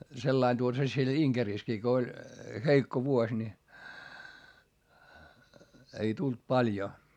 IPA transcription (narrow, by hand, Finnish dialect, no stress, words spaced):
selːɑin tuotɑ se siel iŋkeriˑskiː ko olʲ heikːo ʋuosʲ ni ei tult pɑlʲjo